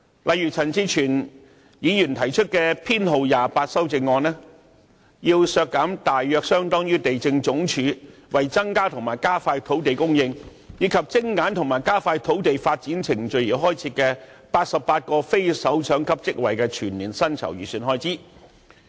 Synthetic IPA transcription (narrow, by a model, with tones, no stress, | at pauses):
lʔɐ˨˧jɥːt͡sʰɐ˨˩nt͡siː˧˥t͡ʃʰyː˨˩n | jiː˨˧jy˨˩nt̪ʰɐ˨˩jt͡ʃʰɵ˥t̚kɛː˧pʰiː˥nɦo˨wjaː˨paː˧t̚sɐ˥wt͡sɪ˧ŋːɔː˧nɛː˥ | jiː˧wsœː˧kːaː˨˥mt̪aː˨jːœː˧k̚sœː˥ŋt̪ɔː˥ŋjyː˥t̪e˨jt͡sɪ˧ŋt͡sʊ˨˥ŋt͡ʃʰyː˨˧˥wɐ˨jt͡sɐ˥ŋkaː˥t̪ʰʊ˨˩ŋmaː˨˩jkaː˥faː˧jt̪ʰo˨˥wt̪e˨jkʊ˥ŋjɪ˧ŋ | jiː˨˥kʰɐ˨p̚t͡sɪ˥ŋːaː˨˥nt̪ʰʊ˨˩ŋmaː˨˩jkaː˥faː˧jt̪ʰo˨˥wt̪e˨jfaː˧t̚t͡siː˨˥nt͡sʰɪ˨˩ŋt͡ʃɵ˨ɥjiː˨˩wɦɔː˥jt͡sʰiː˧kɛː˧ | paː˧t̚sɐ˨p̚paː˧t̚kɔː˧fe˥jsɐ˨˥wt͡sʰœː˨˥ŋkʰɐ˥p̚t͡sɪ˥k̚wɐ˨˩jkɛː˧t͡ʃʰyː˨˩nliː˨˩nsɐ˥nt͡sʰɐ̰˨˩wjyː˨˩syː˨˩nɦɔː˧˥jt͡siː˥